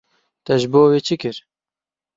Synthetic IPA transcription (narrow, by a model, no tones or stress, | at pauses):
t̪ɛʒboːweːt͡ʃʰɨkɨɾ